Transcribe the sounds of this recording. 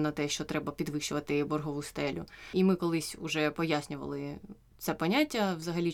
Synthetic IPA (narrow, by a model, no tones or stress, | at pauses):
nɐt̪ɛʃt͡ʃɔt̪ɾɛbɐpʲid̪ʋɪʃt͡ʃʊʋɐt̪ɪbɔrɦɔʋust̪ɛlʲʊ̰imɪkɔlˠɪsʲʊʒɛpɔjasʲnʲʊʋɐ̰lˠɪ | t̪sɛpɔnʲatʲːɐwzɐɦɐlʲi